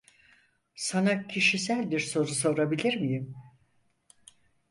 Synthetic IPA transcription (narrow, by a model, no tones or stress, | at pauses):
sanacʰiʃisælʲd̪iɾso̞ɾuso̞ɾabilʲiɾmijim